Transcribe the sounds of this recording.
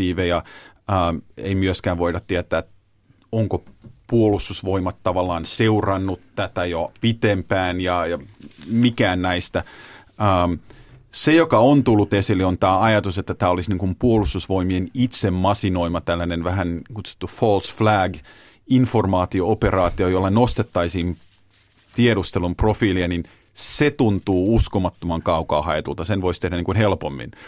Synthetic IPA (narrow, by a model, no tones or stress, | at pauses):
iːʋejɑəːḛimyøskæːʋʋoidɑt̪t̪ːiæt̪æːt̪ | oŋkopuolust̪usʋoimɑt̪tɑʋɑlːˑɑːnseurɑnːut̪t̪æt̪æjopit̪empæːnjɑjɑmikæːnnæist̪æ | əmsejokɑont̪ulːut̪esilːiont̪æːɑjɑt̪uset̪ːæt̪æːolisniŋkumpuolust̪usʋoimienit̪semmɑsinoimɑt̪ælːænenʋæhænkut̪su̥t̪ːufolsflæɡ | informɑːt̪iooperɑːt̪iojolːɑnost̪et̪ːɑisiːm | t̪ieɾust̪elumprofiːliɑnin | set̪unt̪uːuskomɑt̪ːomɑŋkɑukɑ̰ːhɑjet̪ult̪ɑsenʋoist̪ehdæniŋkunhelpomːḭn